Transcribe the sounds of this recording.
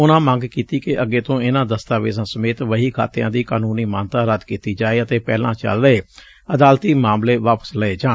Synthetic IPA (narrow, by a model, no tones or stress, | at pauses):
ʊnãːmə̃ŋɡkiːt̪iːkɪʔəɡeːt̪õːɪnãːd̪əst̪aːʋḛːzãːsəmeːt̪ʋəɦiːkʰa̰ːt̪ejã̰ːd̪iːkaːnuːniːmaːnt̪ãːɾəd̪kiːt̪iːd͡ʒaːeːət̪eːpɛːlã̰ːt͡ʃə̰lɾəeː | əd̪aːlt̪iːmaːmleːʋaːpə̥sləeːd͡ʒaː